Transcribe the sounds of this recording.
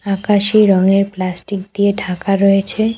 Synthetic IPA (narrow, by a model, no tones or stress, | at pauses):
akaʃiɾɔŋeɾplasʈik̚d̪ieɖʰʱakaɾɔet͡ɕʰe